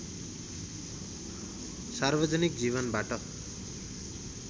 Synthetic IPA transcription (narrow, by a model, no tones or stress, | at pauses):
sarbʌd͡zʌnik̚d͡ziβʌnbaʈʌ